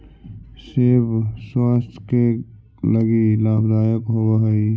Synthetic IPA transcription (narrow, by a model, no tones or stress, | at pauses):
sɪɾfswaːst̪ʰke | ləɡilaːbd̪aːjəkɦowaɦəi